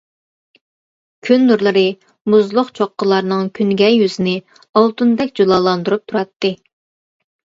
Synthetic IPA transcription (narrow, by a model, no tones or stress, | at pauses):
kʲʰynːuɾlˠɨɾɨ | muzlˠʊqt͡ʃʰoqːəlˠɑɾnɨŋkʲʰynɡʲɛjyzɪnɪ | ɑlˠt̪und̪ɛkʲd͡ʒulˠɑːlˠɑnd̪uɾup̚t̪ʰuɾɑt̪ːɨ